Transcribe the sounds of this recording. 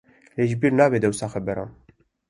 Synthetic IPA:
leːʒbiːɾnaːbeːd̪ɛwsaːxɛbɛɾa̰ːn

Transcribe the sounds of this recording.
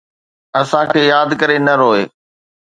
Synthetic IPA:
ɐsãkʰeːjaːd̪kɐɾenɐɾoːeː

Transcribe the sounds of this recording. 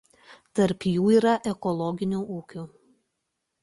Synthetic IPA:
t̪ɐɾpjuːiːɾɐʔɛkɔlˠɔɡʲɪnʲuːʔuːkʲuː

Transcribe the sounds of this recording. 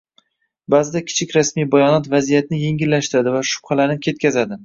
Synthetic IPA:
bazɪd̪akʲʰɪ̥t͡ʃʰɪkʲɾasmijbajɒnɒt̪vazijat̪nɪje̞ŋɡʲɪlːaʃt̪ɪɾad̪ɪvaʃʊ̥pχalaɾnɪkʲʰe̞t̪̚kʲazad̪ɪ

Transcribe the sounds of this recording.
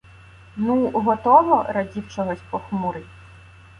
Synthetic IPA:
nuɦɔt̪ɔʋɔɾɐdʲiwt͡ʃɔɦɔsʲpɔxmʊɾɪtʲ

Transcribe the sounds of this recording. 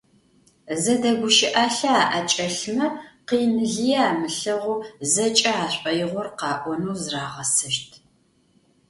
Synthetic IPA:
zɐdɐɡʷʊʃɪʔaːɬɐaːʔɐt͡ʃʼɐɬmɐqiːnɨɮijɛaːmɨɬɐʁʷuːzɐt͡ʃʼɐaːɕʷʼɐjɪʁʷɔrqɑːʔʷɔnuːzraːʁɐsɐʃtʰ

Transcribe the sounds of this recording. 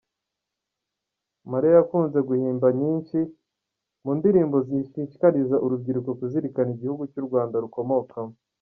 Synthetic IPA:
maɾijajakuːnze̞ɡuhiːmbaɲiːnʃi | mundiɾiːmbo̞ziʃiʃi̥kaɾizaʔuɾub̚ɟiɾuko̞kuziɾikaniɟihuɡucuɾɡwaːndaɾuko̞mo̞kʰamo

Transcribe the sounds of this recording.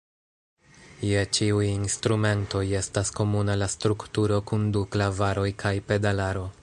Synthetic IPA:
je̞t͡ʃiujinstɾume̞nto̞je̞stasko̞munalastɾuktuɾo̞kunduklavaɾo̞jkʰajpe̞dalaɾo̞

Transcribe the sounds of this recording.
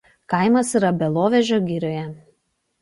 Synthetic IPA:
kɐˑɪmɐsiɾɐbʲɛlˠoːʋʲɛʒʲoːɡʲɪɾʲoːjɛ

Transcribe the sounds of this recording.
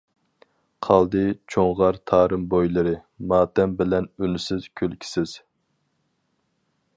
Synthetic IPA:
qʰɑlˠd̪ɨt͡ʃʰoŋʁɑɾt̪ʰɑːɾɨmbojlˠɨɾɨ | mɑːt̪ɛmbɪlɛnynysɪz̥kʲʰølkʲʰi̥sɪz̥

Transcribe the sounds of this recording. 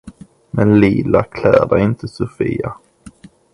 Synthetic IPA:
mɛnliːlakʰlæːd̪aɪnt̪ʰəsʊfiːa

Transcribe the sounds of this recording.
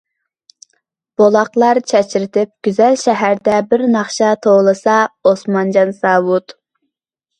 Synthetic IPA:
b̥olˠɑqlˠɑɾt͡ʃʰɛt͡ʃɪɾɪt̪ʰɪp̚ɡ̥ʲyzɛlʃɛɦæɾd̪ɛbɪɾnɑχʃɑt̪ʰolˠɨsɑosmɑnd͡ʒɑnsɑːwut̪

